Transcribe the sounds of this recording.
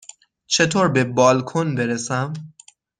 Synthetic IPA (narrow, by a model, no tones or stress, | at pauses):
t͡ʃʰe̞t̪ʰoːɾbe̞bɒːlkʰonbeɾesæm